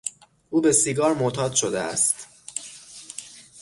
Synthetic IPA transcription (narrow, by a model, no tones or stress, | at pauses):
ʔuːbe̞siɡɒːɾmot̪ʰɒːd̪̥ʃod̪ḛæ̰st̪